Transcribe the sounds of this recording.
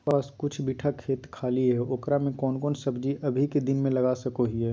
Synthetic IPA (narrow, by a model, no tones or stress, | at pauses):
aːskʊt͡ʃʰbiːʈʰakʰeːt̪kʰaːliɦɛoːkɾamẽkɔːnkɔːnsɐbd͡ʒiʔɐbʱiked̪ɪnmẽlɐɡaːsɐkoɦiɦɛː